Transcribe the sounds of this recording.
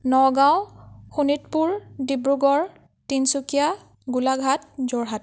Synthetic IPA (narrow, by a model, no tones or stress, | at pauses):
nɔɡawxunit̚puɹdibɹuɡɔɹ | tinsukija | ɡulaɡʱat̚zɔɹɦat